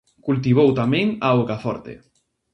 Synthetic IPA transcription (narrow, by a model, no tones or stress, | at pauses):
kult̪̬iβ̞owt̪amẽŋaokafɔ̰ɾt̪ḛ